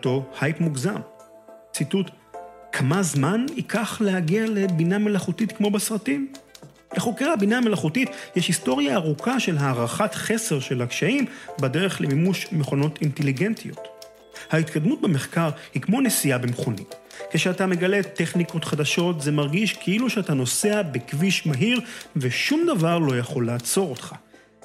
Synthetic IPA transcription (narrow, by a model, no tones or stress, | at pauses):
to̞hajpmuɡzam | t͡situt | kʰamazmanikʰaχlehaɡiale̞biname̞laχutitkmo̞besʁatim | leχo̞keʁhabiname̞laχutitjɛʃhisto̞ʁjaːʁukʰaʃe̞lɦaːʁaχatχe̞se̞ʁʃelhakʃaimbadeʁeχlemimuʃmeχo̞no̞tinteliɡe̞ntijo̞̰t | hait̪kad̪mut̚beme̞χkaʁhikmo̞nesijabemχonḭt | keʃeatame̞ɡale̞t̪e̞χniko̞tχadaʃo̞tzemaʁɡiʃkʰeiluʃeatano̞se̞abekviʃmaɦiʁveʃumd̪avaʁlo̞jaχo̞lːaːt͡so̞ʁo̞t̪χa